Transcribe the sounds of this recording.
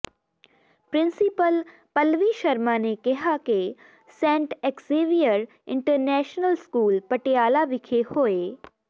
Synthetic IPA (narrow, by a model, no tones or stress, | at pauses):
pɾɪ̃nsɪpəl | pɐlʋiʃɐɾmanekɪɦake | sɛ̃ːɳʈekseʋijəɾ | ɪ̰̃ɳʈəɾnɛːʃnəlskuːlpɐʈeaːlaʋɪkʰehoːeː